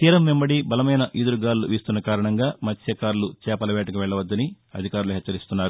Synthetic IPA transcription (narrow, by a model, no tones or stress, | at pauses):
t̪iːɾɐmːemːbɐɽibɐlɐmɐjnɐʔid̪uɾuɡaːɾuluʋiːst̪unːɐkaːɾɐɳɐŋɡaːmɐt̪ʰjɐkaːɾulut͡ʃɛːpɐlɐʋɛːʈɐkuʋɛɭːɐʋɐd̪ːɐni | ɐ̰d̪ʱikaːɾuluɦɛt͡ʃːɐɾist̪unːaːɾu